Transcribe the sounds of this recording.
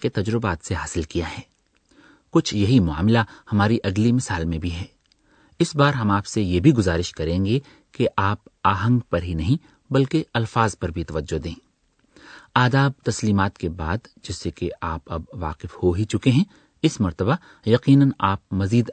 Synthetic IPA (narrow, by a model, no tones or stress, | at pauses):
ket̪ɐd͡ʒɾɪbaːt̪seɦaːsɪlkijaɦɛː | kʊt͡ʃʰjɐɦimʊa̰ːmɪlahɐmaːɾiʔɐɡlimɪsaːlmẽbʱiɦɛː | ɪsbaːɾɦɐmaːpsejebʱiɡʊzaːɾɪʃkɐɾẽːŋɡe | keʔaːpaːɦə̃ŋɡpɐɾɦinɐɦĩ | bɐlkeɐlfaːzpɐɾbʱit̪ɐʋəd͡ʒːod̪ẽː | aːd̪aːb̚t̪ɐsliːmaːt̪kebaːd̪d͡ʒɪsekeaːpɐbʋa̰ːqɪfhoɦit͡ʃʊkeɦɛ̃ | ɪsmɐɾt̪əba | jɐqiːnənaːp̚mɐziːd̪